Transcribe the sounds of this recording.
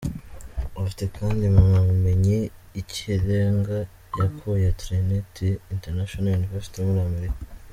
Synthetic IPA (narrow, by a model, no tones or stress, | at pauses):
ofite̞kaːndimuŋamume̞ɲeiceɾeŋɡa | jakʰujatɾenetʰiinteɾnaʃonajuniveɾsi̥tiomuɾiame̞ɾika